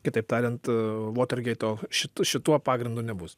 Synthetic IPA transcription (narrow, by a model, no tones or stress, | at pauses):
kʲɪt̪ɐɪpt̪ɑːɾʲɛnt̪ʋoːt̪ɐrʲɡʲɛɪt̪oːʃʲɪt̪ʃʲɪt̪uɔpɑːɡɾʲɪnd̪uːnʲɛbʊs